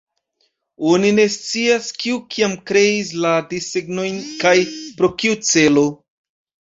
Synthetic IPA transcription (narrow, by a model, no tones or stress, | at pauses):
onine̞st͡siaskiukʰiamkɾe̞is̬ladiseɡno̞jnkajpɾo̞kiut͡se̞lo̞